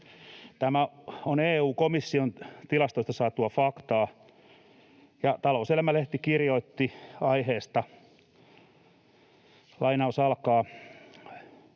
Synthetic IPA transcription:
t̪æmæoneːuːkomisːiont̪ilɑst̪oist̪ɑsɑːt̪uɑfɑkt̪ɑː | jɑt̪ɑlouselmæleht̪ikirjoit̪ːiɑiheːst̪ɑ | lɑinɑusɑlkɑː

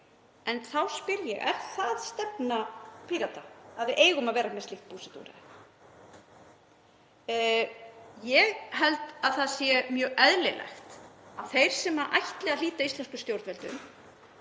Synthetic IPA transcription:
ɛnθawspɪɾjɛ̰ɣɛ̰ɾ̥θaðst̪ɛpnapʰiːɾat̪aaðvɪʔeːjɣʏmaðvɛːɾamɛstlɪxt̪̚puːsɛt̪ṵɾɪ̰ | jɛɣɦɛlt̪aðθaðsjɛmjœːɣʔɛðlɪlɛ̰xt̪aθejɾ̥sɛmaɾʔa̰jçt̪lɛɣaðliːt̪aist̪ɛnskʏst̪jowɾt̪vɛlt̪ʏ̰m

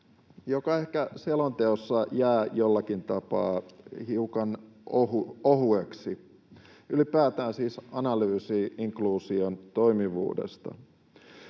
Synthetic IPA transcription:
jokɑe̞hkæselont̪eosːɑjæːjolːɑkint̪ɑpɑ̰ːhiukɑnohuoɦueksi | ylipæːt̪æːnsiːsɑnɑlyːsiːʔiŋkluːsiont̪o̞imiʋṵːdḛst̪ɑ̰

